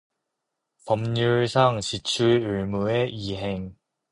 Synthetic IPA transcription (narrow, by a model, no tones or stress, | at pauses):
pʌmɲuɭsʰaŋɕʰit͡ɕʰuuɭmueʔiɦe̞ŋ